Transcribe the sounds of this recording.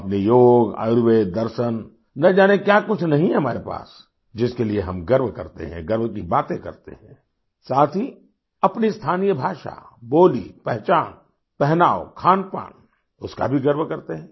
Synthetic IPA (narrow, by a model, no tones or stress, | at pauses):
ɐpnijoːɡa̰ːɾwed̪ɐɾʃən | nɐd͡ʒaːnekjakʊt͡ʃʰnɐɦĩɦɛɦɐmaːɾepa̰ːs | d͡ʒɪskelieɦɐmɡɐɾbkɐ̰ɾt̪ḛɦɛ̰̃ɡɐɾbkibaːt̪ẽkɐ̰ɾt̪ḛɦɛ̰̃ː | saːt̪ʰi | ɐpnist̪ʰaːnijəbʱaːʃa̰boːlḭpɛɦt͡ʃaːn | pɛɦnaːokʰaːnpa̰ːn | ʊska̰bʱiɡɐɾʋkɐɾt̪eɦɛ̃ː